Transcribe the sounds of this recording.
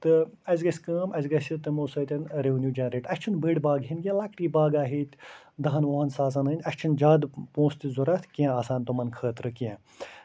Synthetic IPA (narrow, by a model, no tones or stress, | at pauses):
t̪ɨɐzʲɡɐsʲkɐːmɐzʲɡɐsʲit̪ɐmoːsɐːt̪ʲɐnɾeʋnjuːd͡ʒɐnɾeːʈɐsʲt͡ʃʰunbəːɽbaːɡɦinɡʲẽlɐkʈiːbaːɡaːɦiːt̪ʲ | d̪ɐɦɐnʋoɦɐnsaːz̬ɐnɐːnʲɐst͡ʃʰund͡ʒaːd̪põːst̪izuɾɐt̪ʰkiɛ̃aːsaːnt̪umɐnkʰəːt̪ɾɨkiɛ̃